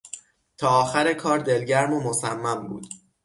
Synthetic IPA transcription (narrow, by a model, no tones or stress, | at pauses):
t̪ʰɒːɒːxæɾekʰɒːɾd̪e̞lɟæɾmomosæmːæmbṵːd̪̥